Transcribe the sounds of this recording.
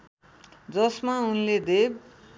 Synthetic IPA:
d͡zʌsmaunled̪eb

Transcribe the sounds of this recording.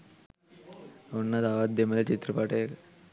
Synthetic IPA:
onːat̪aʋat̪̚d̪emelet͡ɕit̪ɾəpaʈek

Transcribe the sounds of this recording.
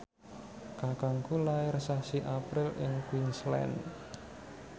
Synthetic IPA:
kakaŋkulaɪrsasiʔapɾɪlʔɪŋkwinslɛ̰n

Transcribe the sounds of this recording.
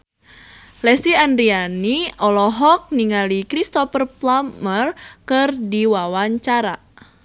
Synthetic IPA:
lɛst̪iandɾianiɔlɔɦɔk̚niŋalikɾist̪ɔfərplamərkɨrdiwawaɲt͡ʃaɾa

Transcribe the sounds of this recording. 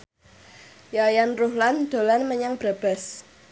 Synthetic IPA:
jajanruhland̪̥o̤lanməɲaŋb̥ɾab̥ɛ̤s

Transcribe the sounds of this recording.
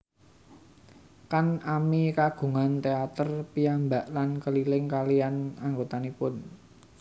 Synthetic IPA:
kanamikaɡ̥ṳŋant̪eat̪ərpiambaʔlankəlilɪŋkalijanaŋɡot̪anepʊn

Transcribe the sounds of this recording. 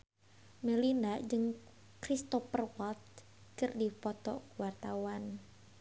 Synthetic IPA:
mɛlindad͡ʒɨŋ | kɾist̪ɔfərwɔlt̪̚ | kɨrdipɔt̪ɔ̰kuwart̪awan

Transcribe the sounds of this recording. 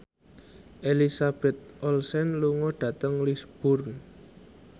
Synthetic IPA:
ʔelisab̥ɛt̪̚ʔɔlsɛnluŋɔɖ̥ä̤t̪əŋlisb̥ʊrn

